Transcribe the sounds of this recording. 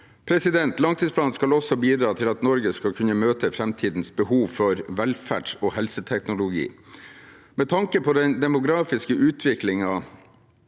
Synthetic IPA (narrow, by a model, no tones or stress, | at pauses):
pʰɾɛsɪd̪ɛnt̪lɑŋt̪ʰiːspʰlɑːnskɑlɔsɔbiːd̪ɾɑːt̪ʰɪlɑt̪nɔɾɡəskɑkʰʉnəmøːt̪əfɾɛmt̪ʰiːd̪n̩sbəhuːʋfɔɾʋɛlfæ̰ɖʂoːhɛlsət̪ʰɛknʊlʊɡḭː | mɛt̪ʰɑŋkəpʰɔd̪ɛnd̪ɛmʊɡɾɑːfɪskəʔʉːt̪ʰʋɪklɪŋɑ